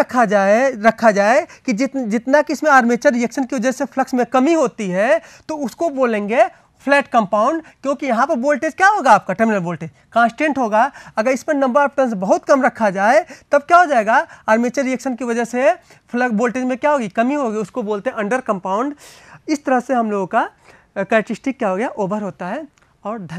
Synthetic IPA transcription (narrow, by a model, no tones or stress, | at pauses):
kʰaɾɐkʰːad͡ʒaːekid͡ʒɪd͡ʒɪt̪nakiɪsmẽaːɾmeːt͡ʃəɾːijəkʃənkiʋɐd͡ʒəsepʰləksmẽkɐmiɦoːt̪iɦɛt̪oʊskoboːlẽːŋɡe | pʰlɛːʈkɐ̃mpaːʊ̃ɳɖkjõːkijɐɦãpɐɾboːlʈeːd͡ʒkjaɦoːɡaaːp̚kaʈeɾmɪnəlboːlʈeːd͡ʒ | kãːnsʈẽːɳʈɦoːɡaɐɡəɾɪsmẽnɐ̃mbəɾpʈɐ̃nsbɐɦʊt̪kɐmɾɐkʰːad͡ʒaːet̪ɐb̚kjaɦod͡ʒaːeːɡaaːɾmeːt͡ʃəɾːijekʃənkiʋɐd͡ʒəɦse | pʰləboːlʈeːd͡ʒmẽkjaɦoːɡikɐmiɦoːɡiʊskoboːlt̪eɦɛ̃ɐ̃ɳɖəɾkɐ̃mpaːʊ̃ɳɖɪst̪ɐɾəɦseɦɐmloːɡoka | kɛːɾʈɪsʈɪkːjaɦoːɡjaʔoːbʱəɾɦoːt̪aɦɛ | ɔːɾd̪ʱ